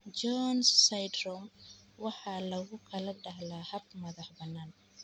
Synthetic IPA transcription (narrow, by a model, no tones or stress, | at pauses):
d͡ʒɔnssajd̪rɔmwɑħɑːlɐɣʊkʰɐlɐɖɐɦlaːhɐb̚mɐðɑħbɐnːaːn